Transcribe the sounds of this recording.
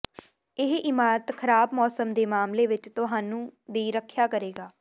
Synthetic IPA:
ɪɦʔɪmaːɾət̪kʰəɾaːbmɔːsəmd̪eːmaːmleːʋɪt͡ʃt̪ʊɦaːnũːd̪iːɾəkʰjaːkəɾeːɡaː

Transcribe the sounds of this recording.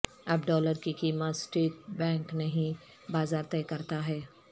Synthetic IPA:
ɐbɖɔːləɾkikiːmət̪sʈɾiːʈbɛ̃ːŋknɐɦĩ | baːzaːɾt̪ɛːkɐɾt̪aɦɛː

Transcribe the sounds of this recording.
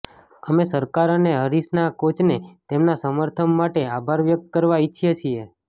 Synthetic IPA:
əmesəɾkaɾəneɦəɾisnakot͡ʃnet̪emnasəməɾt̪ʰəmːaʈeabʱaɾʋjək̚t̪̚kəɾʋaiːt͡ʃʰijet͡ʃʰie

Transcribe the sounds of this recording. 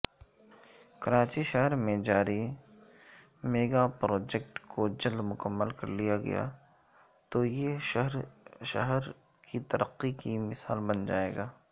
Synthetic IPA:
kɐɾaːt͡ʃiʃəɦɾmẽd͡ʒaːɾi | meːɡapɾɔːd͡ʒɛkʈkʰod͡ʒɐld̪mʊkəmːəlkɐɾlijaɡɐ̰ja̰ | t̪ojeʃɐɦɾʃɐɦɾ | kʰit̪ɐɾʔəqːikimɪsaːlbɐnd͡ʒa̰ːḛːɡaː

